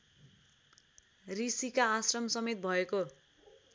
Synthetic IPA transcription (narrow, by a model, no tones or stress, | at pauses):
risikaːsrʌmsʌmet̪̚bʱʌeko